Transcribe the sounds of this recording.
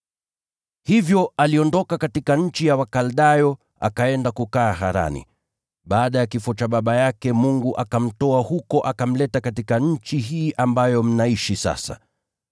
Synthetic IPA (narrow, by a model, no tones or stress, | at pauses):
hivjɔaliɔndɔkakatikaɲ̩t͡ʃijawakalɗajɔ | a̰kaɛndakukaːɦaɾa̰nḭ | ɓaːɗajakifɔt͡ʃaɓaɓajakɛmuŋɡuʔakam̩tɔahukɔʔakam̩lɛtakatikaɲ̩t͡ʃiɦiːʔambajɔm̩naiʃisa̰sa̰